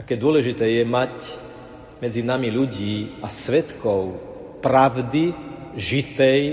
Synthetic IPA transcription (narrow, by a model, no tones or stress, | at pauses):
akɛːd̪ʊɔlɛʒit̪ɛːjɛmac | mɛd͡zinamiʎuɟiːasʋɛt̪kɔʊ | pɾaʊd̪iʒit̪ɛj